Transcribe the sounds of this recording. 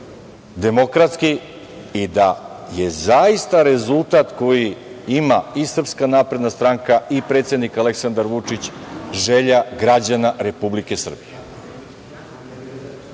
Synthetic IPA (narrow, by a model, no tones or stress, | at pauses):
d̪e̞mo̞kɾat̪ski | id̪aje̞zaist̪aɾe̞zulˠt̪at̪ko̞jiimaisr̩pskanaːpɾe̞d̪nast̪ɾaŋkaipɾet̪se̞d̪nikale̞ksand̪aɾʋut͡ʂit͡ɕʒeʎaɡɾad͡ʑanaɾe̞publike̞sr̩bije